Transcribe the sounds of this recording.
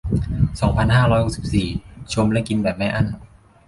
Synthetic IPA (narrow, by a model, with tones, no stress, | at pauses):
sɔː˩˦ŋpʰa˧nhaː˥˩ɾɔː˦˥jho˨˩k̚si̥˨˩p̚siː˨˩t͡ɕʰo˧mlɛ˦˥ʔki˧nbɛː˨˩p̚mɛ˦˥ʔa˧˥˩n